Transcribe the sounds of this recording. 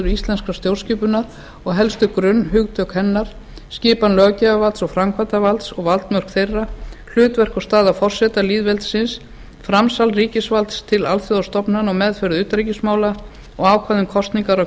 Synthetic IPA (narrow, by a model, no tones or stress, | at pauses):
ʏɾʏist̪ɛnskɾast̪jowrsciːpʏnaɾ | ɔɣɦɛlst̪ʏkɾʏnːɦʏɣt̪ʰœkhɛnːaɾ̥ | scɪːpanlœːɣcɛavalt̪sɔɣfɾamkʰvat̪avalt̪sɔɣvalt̪mœr̥kθejrːal̥ʏːt̪vɛr̥kɔst̪aːðafɔr̥sɛt̪aliːðvɛlt̪sɪns | fɾamsalɾiːcɪsvalt̪st̪ʰɪlalθjɔðast̪ɔpnanɔɣmɛðfœɾðʏːt̪aɾicɪsmaːwla | ɔɣaːwkʰvaðɪmkʰɔst̪niŋkaɾɔ